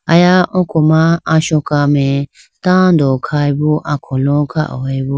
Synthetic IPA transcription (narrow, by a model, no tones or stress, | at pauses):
ajaʔɔ̃kʰɔmaːʃɔkamɛ | t̪ãd̪ɔkʰajbɔʔakʰɔlɔkʰa̰ʔɔebu